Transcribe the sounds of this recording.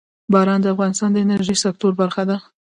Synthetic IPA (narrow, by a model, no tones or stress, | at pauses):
bɑɾɑnd̪əafɣɑnɪst̪ɑnd̪əɪnəɾʒəjsak̚t̪oɾbaɾxad̪a